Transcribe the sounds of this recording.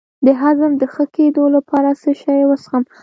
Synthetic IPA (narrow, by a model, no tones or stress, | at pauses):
d̪əɦazamd̪əxəked̪olapɑɾasəʃɑjwəsxəm